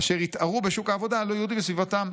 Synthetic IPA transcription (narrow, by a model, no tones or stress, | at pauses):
aʃeʁit̪aʁubeʃukaːvo̞d̪alojud̪imbesvivat̪am